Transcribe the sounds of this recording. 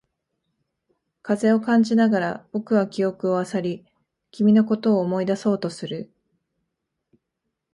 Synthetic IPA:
kaze̞o̞kãɲ̟d͡ʑinaɡaɾab̥o̞kɯ̟βakʲio̞kɯ̟o̞asaɾʲi | kʲimʲino̞k̬o̞t̪oːmo̞id̪aso̞ːt̪o̞sɨɾɯ̟

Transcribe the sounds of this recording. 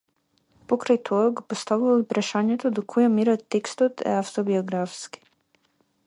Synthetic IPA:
pokɾajt̪ʰoɡpost̪aʋilopɾaʃaɲɛt̪od̪okʰujamiɾat̪ːekst̪ot̪ɛ̰aft̪obioɡɾafski̥

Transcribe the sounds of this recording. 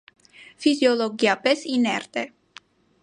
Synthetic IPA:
fizjɔlɔɡiapɛsinɛɾt̪ɛ

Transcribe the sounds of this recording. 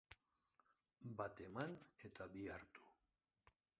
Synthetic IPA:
bat̪e̞manet̪aβiaɾt̪u̥

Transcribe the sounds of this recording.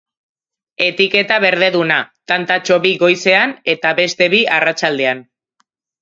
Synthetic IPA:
e̞t̪ike̞t̪aβe̞ɾðe̞ðunat̪ant̪at͡ʃo̞βiɣo̞jse̞ane̞t̪aβe̞st̪e̞βiarat͡ʃald̪e̞an

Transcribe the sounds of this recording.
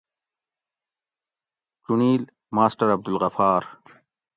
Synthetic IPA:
ʈuniːl | maːsʈɐɾɐb̚d̪ulɣɐfaːɾ

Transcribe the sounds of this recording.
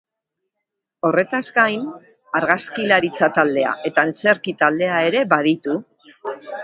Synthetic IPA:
o̞re̞t̪azɡajn | aɾɣaskilaɾit͡sat̪ald̪e̞a̰ʔe̞t̪aent͡se̞ɾkit̪ald̪e̞ae̞ɾe̞βað̞it̪u

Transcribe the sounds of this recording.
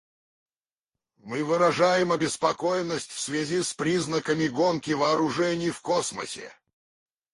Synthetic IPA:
mɨvɨɾɐʐajɪmɐbʲɪspɐkojɪnːəsʲtʲfsvʲɪzʲispɾʲiznəkəmʲɪɡonkʲɪvɐːɾʊʐɛnʲɪjfkosmə̰sʲɪ̰

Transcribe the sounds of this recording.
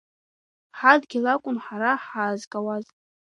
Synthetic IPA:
ħadɡʲilakʷʼʊnħaɾaħaːzkʼawaz

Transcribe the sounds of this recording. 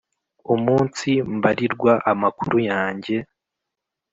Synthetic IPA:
umuːnsimbaɾiɾɡwaʔamakuɾujaːɲɟe̞

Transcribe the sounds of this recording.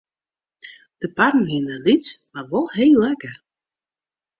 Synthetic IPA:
d̥əparmhinəlitt͡smaʋɔlˠɦeːlˠɛkər

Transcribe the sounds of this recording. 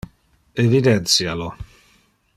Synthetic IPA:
evid̪ɛnt̪sjalo

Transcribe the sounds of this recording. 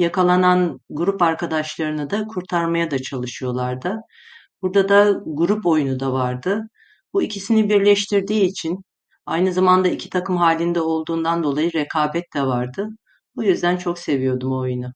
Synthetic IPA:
jakʰalˠananɡuɾupaɾkʰad̪aʃlˠaɾɯnɯd̪akʰuɾt̪ʰaɾmajad̪at͡ʃʰalˠɯʃɯjo̞lˠaɾd̪ɯ | buɾd̪ad̪aɡuɾupo̞junud̪avaɾd̪ɯ | buicʰisinibiɾlʲɛʃt̪ʰiɾd̪iːt͡ʃʰin | a̰jnɯzamand̪aicʰit̪ʰakɯmɦaːlʲind̪ɛo̞lˠd̪uːnd̪and̪o̞lˠajɯɾɛkʰaːbɛt̪d̪ɛvaɾd̪ɯ | bujyzd̪ænt͡ʃʰo̞kse̞vijo̞d̪umo̞junʊ

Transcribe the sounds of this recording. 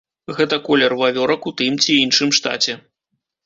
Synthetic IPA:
ɣɛt̪ɐkɔlʲɛrvavʲɔɾɐkut̪ɨmt͡sʲiinʂɨmʂt̪a̰t͡sʲɛ

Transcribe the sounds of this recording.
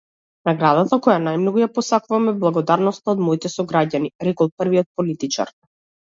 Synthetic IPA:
naɡɾad̪at̪akɔjanajmnɔɡujapɔsakuvamɛblˠaɡɔd̪aɾnɔst̪aɔd̪mɔit̪ɛsɔɡɾaɟaniɾɛkɔlˠprviɔt̪̚pɔlit̪it͡ʃa̰ɾ

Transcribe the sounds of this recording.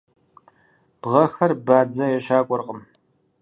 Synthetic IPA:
b̥ʁɐxɐrbaːd͡zɐjɛʃaːkʷʼɔrqʼəm

